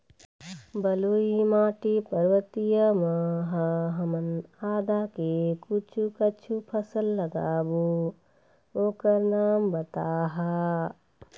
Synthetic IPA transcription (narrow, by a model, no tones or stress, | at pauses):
bəluimaːʈipəɾʋət̪ijəməɦaɦəmənaːd̪akekut͡ʃʰukət͡ʃʰupʰəsəlːəɡa̰ːbu | oːkəɾnaːmbət̪aːɦa